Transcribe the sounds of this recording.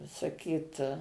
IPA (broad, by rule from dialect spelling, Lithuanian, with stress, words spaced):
sɐˈkʲiːt